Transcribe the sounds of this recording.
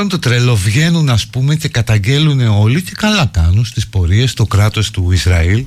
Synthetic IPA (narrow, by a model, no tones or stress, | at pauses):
ont̪o̞t̪ɾe̞lo̞vʝe̞nunɐspume̞ce̞kɐt̪ɐɲɟe̞lune̞o̞lice̞kɐlɐkɐnunst̪ispo̞ɾie̞st̪o̞kɾɐt̪o̞st̪uizɾɐil